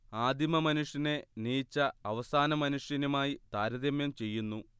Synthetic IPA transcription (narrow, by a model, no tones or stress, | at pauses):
aːd̪ʱimɐmɐnuʂjɐne̞niːt͡ɕːɐɐʋɐsaːnɐmɐnuʂjɐnumaːjit̪aːɾɐðiɐmjɐmt͡ɕe̞jːunːu